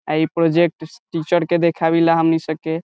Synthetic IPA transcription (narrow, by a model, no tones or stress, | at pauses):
aipɾod͡ʒek̚ʈʈit͡ʃəɾked̪ekʰabilaɦəmnisəb̚ke